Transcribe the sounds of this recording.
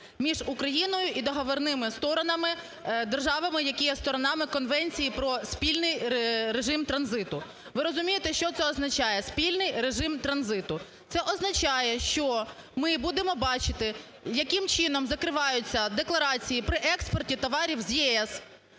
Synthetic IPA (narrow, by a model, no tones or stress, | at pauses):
mʲiʒʊkɾɐjinɔjʊʔid̪ɔɦɔʋɔrnɪmɪst̪ɔɾɔnɐmɪ | d̪erʒɑʋɐmɪjɐkʲijɛst̪ɔɾɔnɑmɪkɔnʋɛnʲt͡sʲijipɾɔspʲilʲnɪjɾeʒɪmt̪ɾɐnzɪt̪ʊ | ʋɪɾɔzʊmʲijet̪ɛʃt͡ʃɔt̪sɛɔznɐt͡ʃɑjɛspʲilʲnɪjɾeʒɪmt̪ɾɐnzɪt̪ʊ | t̪sɛʔɔznɐt͡ʃɑjɛʃt͡ʃɔ | mɪbud̪ɪmɔbɑt͡ʃɪt̪ɪ | jɐkɪmt͡ʃɪnɔmzɐkɾɪʋɑjʊt͡sʲːɐd̪eklˠɐɾɑt͡sʲijipɾɪʔɛkspɔrtʲit̪ɔʋɑɾʲiwzjɛɛs